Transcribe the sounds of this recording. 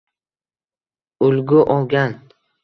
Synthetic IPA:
ʊlɡʊʔɒlˠɡʲan

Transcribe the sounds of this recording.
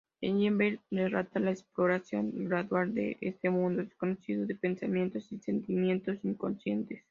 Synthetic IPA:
ḛnjembeɾderat̪alaeksplo̞ɾasjo̞ŋɡɾaðwald̪ḛʔest̪emũnd̪oðesko̞nosiðoðe̞pe̞nsamje̞nt̪o̞sise̞nt̪imjẽ̞nt̪o̞siŋko̞nsje̞nt̪es

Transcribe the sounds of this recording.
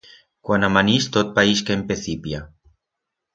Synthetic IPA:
kwanamanist̪ot̪̚paiʃkempeθipja

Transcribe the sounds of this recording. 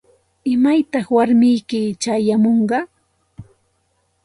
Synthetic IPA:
ɪmajt̪ɑχwaɾmɪjkɪt͡ʃajamoɴɢɑ

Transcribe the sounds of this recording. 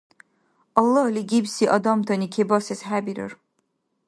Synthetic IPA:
ɑlˠːɑhliɡibsiʔɑd̪ɑmt̪ʰɑnikʰebɑsɛsɦæbiɾo̰ɾ

